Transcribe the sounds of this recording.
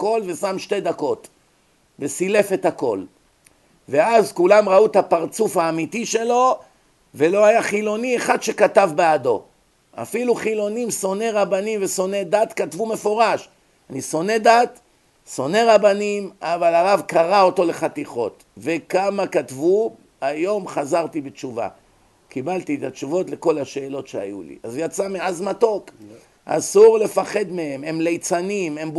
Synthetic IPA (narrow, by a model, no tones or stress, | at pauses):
ko̞lve̞samʃte̞d̪ako̞t̪ | vesile̞fe̞t̪hako̞l | ve̞azkulamʁaut̪apaʁt͡sufhaːmit̪iʃe̞lo̞ | ve̞lo̞ajaχilo̞nieχadʃekat̪avbead̪o̞̰ | a̰filuχilo̞nimso̞ne̞ʁabanimveso̞ne̞d̪at̪katvumefo̞ʁaʃ | aniso̞ne̞d̪at̪ | so̞ne̞ʁabanimavalaʁavkaʁao̞t̪o̞le̞χat̪iχo̞̰t̪ | vekamakat̪vu | ajo̞mχazaʁt̪ibet͡ʃuva̰ | kibalt̪iet̪at͡ʃuvo̞t̪le̞ko̞laʃe̞ːlo̞tʃea̰julḭʔazjat͡sameazmat̪o̞k | ʔa̰suʁle̞faχe̞d̪me̞e̞memlejt͡sanimem